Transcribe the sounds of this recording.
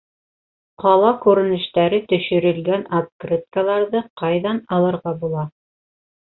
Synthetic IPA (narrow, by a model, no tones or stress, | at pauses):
qɑlˠɑkʉɾɘ̆nɘ̆ʃt̪æɾɘt̪ɵ̆ʃɵ̆ɾɘ̆lɡænat̪̚krʲit̪̚kalˠɑɾðɤqɑjðɑnɑlˠɤ̆ɾʁɑbulˠɑ